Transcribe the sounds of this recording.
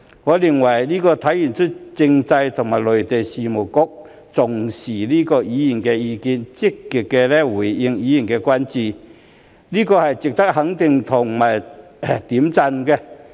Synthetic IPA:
ŋɔː˨˧lɪ˨˩ŋwɐ˨˩jliː˥kɔː˧t̪ʰɐ˨˥jjy˨˩nt͡ʃʰɵ˥t̚t͡sɪ˧ŋt͡sɐ˧jt̪ʰʊ˨˩ŋmaː˨˩lɵ˨˩ɥt̪e˨jsiː˨mʊ˨˩wkʊ˥k̚ | t͡sʊ˨˩ŋsiː˨˩liː˥kɔː˧jiː˨˥ji˨˩nkɛː˧jiː˨˧kiː˨˧nt͡sɪ˥kːi˨˩t̚kɛː˧lɛ˥wuː˨˩jjɪ˧ŋjiː˨˧ji˨˩nkɛː˧kʷa˥nt͡siː˨˩ | liː˥kɔː˧hɐ˨jt͡sɪ˨k̚t̪ɐ˥k̚hɐ˨˥ŋt̪ɪ˨ŋt̪ʰʊ˨˩ŋmaː˨˩j | t̪iː˨˥mt͡sɐ˧nkɛ˧

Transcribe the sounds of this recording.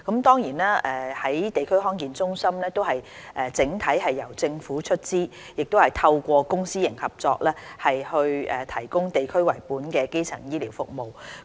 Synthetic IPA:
kɐ˨˥mt̪ɔː˥ŋjiː˨˩naː˥ɛ˨hɐ˨˥jt̪e˨jkʰɵ˥ɥɦɔː˥nkiː˨nt͡sʊ˥ŋsɐ˥mlɛː˥t̪o˥wɦɐ˨j | ʔɛ˨t͡sɪ˨˥ŋt̪ʰɐ˨˥jɦɐ˨jːɐ˨˩wt͡sɪ˧ŋfuː˨˥t͡ʃʰɵ˥t̚t͡siː˥ | jɪ˨k̚t̪o˥hɐ˨jt̪ʰɐ˧wkʷɔː˧kʊ˥ŋsiː˥jɪ˨˩ŋhɐ˨p̚t͡sɔː˧k̚lɛː˥hɐ˨jhɵ˧ɥɛː˨˩t̪ʰɐ˨˩jkʊ˥ŋt̪e˨jkʰɵ˥ɥwɐ˨˩jpuː˨˥nkɛː˧ke˥jt͡sʰɐ̰˨˩ŋjiː˥liː˨˩wfʊ˨k̚mo˨w

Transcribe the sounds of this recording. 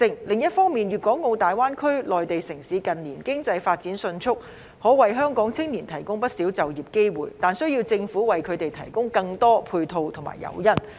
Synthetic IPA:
ɪ˧ŋlɪ˨ŋjɐ˥t̚fɔː˥ŋmiː˨njyː˨t̚kɔː˨˥ŋo˨˧wt̪aː˨jwaː˥nkʰɵ˥ɥlɔː˨jt̪e˨jsɪ˨˩ŋsiː˨˧kɐ˨nliː˨˩nkɪ˥ŋt͡sɐ˧jfaː˧t̚t͡siː˨˥nsɵ˧nt͡sʰʊ˥k̚ | hɔː˨˥wɐ˨jɦœː˥ŋkɔː˨˥ŋt͡sʰɪ˥ŋniː˨˩nt̪ʰɐ˨˩jkʊ˥ŋpɐ˥t̚siː˨˥wt͡sɐ˨wjiː˨˩p̚ke˥jwṵː˨˩jt̪aː˨nsɵ˥ɥjiː˧wt͡sɪ˧ŋfuː˨˥wɐ˨˩jkʰɵ˨˧t̪e˨jt̪ʰɐ˨˩jkʊ˥ŋkɐ˧ŋt̪ɔː˥pʰuː˧jt̪ʰo˧wt̪ʰʊ˨˩ma̰ː˨˩jɐ̰˨˧wjɐ˥n

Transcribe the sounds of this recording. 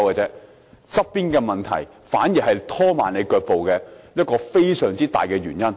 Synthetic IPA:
wkaː˨˧t͡sɛː˨˥ | t͡sɐ˥p̚piː˥nkɛː˧mɐ˨nt̪ʰɐ̰˨˩j | faː˨˥njiː˨˩ɦɐ˨jt̪ʰɔː˥maː˨nle˨˧jkœː˧k̚po˨wkɛː˧jɐ˥t̚kɔː˧fe˥jsœː˨˩ŋt͡siː˥t̪aː˨˩jkɛː˧ɥyː˨˩njɐ˥n

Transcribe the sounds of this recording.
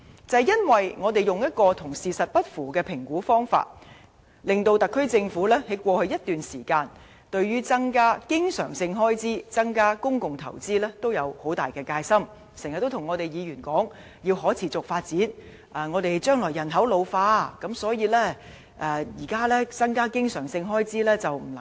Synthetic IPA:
t͡sɐ˨jjɐ˥nwɐ˨jŋɔː˨˧t̪e˨jʊ˨ŋjɐ˥t̚kɔː˧t̪ʰʊ˨˩ŋsiː˨˩sɐ˨t̚pɐ˥t̚fuː˨˩kɛː˧pʰɪ˨˩ŋkuː˨˥fɔː˥ŋfa̰ː˧t̚ | lɪ˨˧ŋt̪o˧wt̪ɐ˨kʰːɵ˥ɥt͡sɪ˧ŋfuː˨˥lɛː˥he˨˥kʷɔː˧hɵ˧ɥjɐ˥t̚t̪yː˨nsiː˨˩kaː˧n | t̪ɵ˧ɥɥyː˥t͡sɐ˥ŋkaː˥kɪ˥ŋsœ̰ː˨˩ŋsɪ˧ŋɦɔː˥jt͡siː˥t͡sɐ˥ŋkaː˥kʊ˥ŋkʊ˨ŋt̪ʰɐ̰˨˩wt͡siː˥lɛː˥t̪o˥wjɐ˨˧who˨˥wt̪aː˨˩jkɛː˧kaː˧jsɐ˥m | sŋhɐ˨˩t̪ːo˥wt̪ʰʊ˨˩ŋɔː˨˧t̪e˨jjiː˨˧jyː˨˩nkɔː˨˥ŋ | ji˧wɦɔː˨˥t͡sʰiː˨˩t͡sʊ˨k̚faː˧t̚t͡siː˨˥n | ʔɐː˨ŋɔː˨˧t̪e˨jt͡ʃœː˥ŋlɔː˨˩jɐ˨˩nɦɐ˨˥wlo˨˧wfaː˧kɐ˨˥msɔː˨˥jiː˧lɛː˥ | ʔɛː˨˩jiː˨˩kaː˥lɛː˥t͡sɐ˥ŋkaː˥kɪ˥ŋsœː˨˩ŋsɪ˧ŋɦɔː˥jt͡siː˥lɛː˥t͡sɐ˨wm̩˨˩ɐ˨

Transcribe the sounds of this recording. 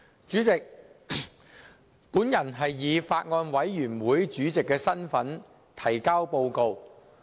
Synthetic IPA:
t͡ʃyː˨˥t͡sɪ˨k̚ | puː˨˥njɐ˨˩nɦɐ˨jːiː˨˧faː˧t̚ŋɔː˧nwɐ˨˥jjyː˨˩nwuː˨˥jt͡ʃyː˨˥t͡sɪ˨kːɛː˧sɐ˥nfɐ˨˥n | t̪ʰɐ˨˩jkaː˥wpo˧wko˧w

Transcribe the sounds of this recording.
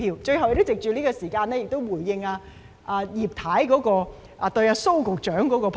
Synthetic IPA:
iː˧wt͡ʃɵ˧ɥha˨wje˧t̪o˥wt͡sɪ˨k̚t͡ʃyː˨liː˥kɔː˧siː˨˩kaː˧nɛː˥jɪ˨k̚t̪o˥wwuː˨˩jːɪ˧ŋaː˧ | ʔaː˧jiː˨p̚t̪ʰaː˨˥jkɔː˨˥kɔː˧ | ʔa˨˧t̪ɵ˧jaː˧so˥wkʊ˨k̚t͡ʃœː˨˥ŋkɔː˨˥kɔː˧pʰ

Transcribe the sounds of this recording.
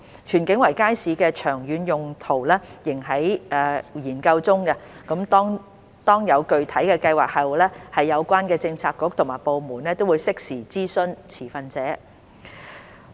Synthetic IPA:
t͡ʃʰyː˨˩nkɪ˨˥ŋwɐ˨˩jkaː˥jsiː˨˧kɛː˧t͡ʃʰœː˨˩ŋjyː˨˥njʊ˨ŋt̪ʰo˨˩wlɛː˥jɪ˨˩ŋɦɐ˨˥jʔɛ˨˧jiː˨˩nkɐ˧wt͡sʊ˥ŋkɐ˧kɐ˨˥mt̪ɔː˥ŋ | t̪ɔː˥ŋjɐ˨˧wkɵ˨ɥt̪ʰɐ˨˥jkɛː˧kɐ˧jwaː˨˩k̚hɐ˨wlɛː˥hɐ˨jːɐ˨˧wkʷaː˥nkɛː˧t͡sɪ˧ŋt͡sʰaː˧kːʊ˨˥k̚t̪ʰʊ˨˩ŋmaː˨˩jpo˨wmuː˨˩nlɛː˥t̪o˥wuː˨˧jsɪ˥k̚siː˨˩t͡siː˥sɵ˥nt͡sʰiː˨˩fɐ˧nt͡sɛː˨˥

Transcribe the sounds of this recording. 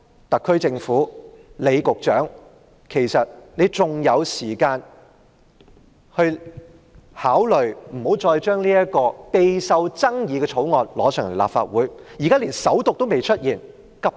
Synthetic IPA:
t̪ɐ˨kʰːɵ˥ɥt͡sɪ˧ŋfuː˨˥le˨˧jkʊ˨k̚t͡ʃœ̰ː˨˥ŋ | kʰe˨˩jsɐ˨t̚nle˨˧t͡sʊ˨˧ŋjɐ˨˧wsiː˨˩kaː˧n | hɵ˧ɥ | haː˨˥wlɵ˨˩ɥm̩˨˩ho˨˥wt͡ʃɔː˧jt͡ʃœː˥ŋliː˥jɐ˥kɔː˧pe˧jsɐ˧wt͡sɐ˥ŋjiː˨˧kɛ˧t͡sʰo˨˥wŋɔː˨nlɔː˨˥sʰœː˨˩ŋle˨˩la̰˨pfaː˧t̚wuː˨˥jjiː˨kaː˥liː˨˩nsɐ˨˥wt̪ʊ˨k̚t̪o˥wme˨jt͡ʃʰɵ˥t̚jiː˨˩n | kɐ˨˧p̚

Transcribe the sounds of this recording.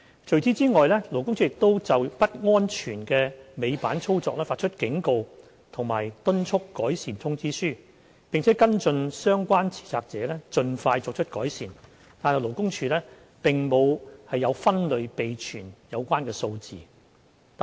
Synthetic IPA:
t͡ʃʰɵ˨ɥt͡siː˨˥t͡siː˥ŋɔː˨jlɛː˥lo˨˩wkʊ˥ŋt͡ʃʰy˨˥jɪ˨k̚t̪o˥wt͡sɐ˨wpɐ˥t̚ŋɔː˥nt͡ʃʰyː˨˩nkɛː˧me˨˧jpaː˨˥nt͡sʰo˥wt͡sɔː˨k̚lɛː˥faː˧t̚t͡ʃʰɵ˥t̚kɪ˨˥ŋko˨˧w | t̪ʰʊ˨˩ŋmaː˨˩jt̪ɵ˥nt͡ʃʰʊ˥kːɔː˨˥jsiː˨˩nt̪ʰʊ˥ŋt͡siː˥syː˥ | pɪ˨ŋt͡sʰɛ˨˥kɐ˥nt͡sɵ˧nsœː˥ŋkʷwaː˥nt͡sʰi̥ː˨˩t͡saː˧k̚t͡sɛː˨˥lɛː˥t͡ʃɵ˧nfaː˧jt͡sɔː˧k̚t͡ʃʰɵ˥t̚kɔː˨˥jsiː˨˩n | t̪aː˨nhɐ˨˩wlo˨˩wkʊ˥ŋt͡ʃʰyː˧lɛː˥ | pɪ˨ŋmo˨˧whɐ˨jːɐ˨˧wfɐ˥nlɵ˨˧ɥpe˨jt͡ʃʰyː˨˩njɐ˨˧wkʷaː˥nkɛː˧so˧wt͡sḭː˨˩ | t̪

